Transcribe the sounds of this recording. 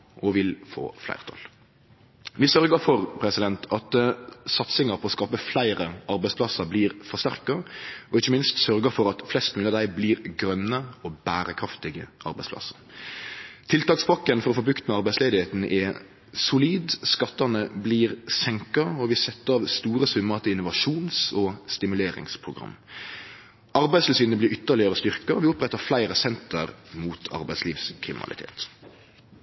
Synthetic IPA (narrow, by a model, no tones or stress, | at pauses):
ʔɔʋɪlfo̰ːflæ̰ɪʁt̪ʰɑ̰l | ʋɪsœɾɡəfɔʁpʰɾɛsɪd̪ɛnt̪ʰɑt̪sɑt̪sɪŋɑɾpʰɔɔːskɑːpəflæɪɾəʔɑɾbæɪspʰlɑsəɾbliːɾfɔʁst̪æ̰ʁkɑɔɪçːəmɪnst̪sœɾɡəfɔɾɑt̪flɛst̪mʉːɑd̪æɪbliːɾɡɾœnːəɔbæːɾəkʰɾɑft̪ɪɡəʔɑ̰ɾbæɪsplɑ̰sə̥ɾ | t̪ʰɪlt̪ɑːkspʰɑkːənfɔɾɔfoːbʉkt̪mɛɑɾbæɪsleːd̪ɪheːt̪n̩ʔɛ | sʊliːd̪skɑt̪ːɑnəbliːʁsɛŋkɑɔʋɪsɛt̪ːəɑʋst̪uːɾəsʉmːət̪ɪɪnʊʋɑʂuːnsɔst̪ɪmʉleːɾɪ̰ŋspʰɾʊɡʁɑ̰mː | ʔɑɾbæɪst̪lsiːnəblɪɾʏt̪ːəlɪəɾəst̪ʏɾkɑɔʋɪʊpɾɛt̪ːəɾflæɪɾəsɛnt̪əɾmuːt̪ʰɑ̰ɾbæɪsliːʋskʰɾɪmɪnɑ̰lɪ̰t̪ʰḛːt̪